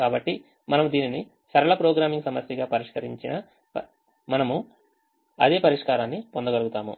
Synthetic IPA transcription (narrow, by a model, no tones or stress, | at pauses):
kaːbɐʈːi | mɐnɐmud̪iːnini | sɐɾɐɭɐpɾoːɡɾaːmiŋɡsɐmɐsjɐɡaːpɐɾiʂkɐɾḭɲt͡ʃinɐ | mɐnɐmu | ɐ̰d̪e̞ːpɐɾiʂkaːɾaːnːipond̪ɐɡɐluɡut̪aːmṵ